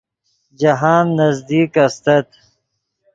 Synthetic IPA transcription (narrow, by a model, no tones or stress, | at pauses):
d͡ʒɐɦaːnːɐzd̪iːkɐst̪ɐt̪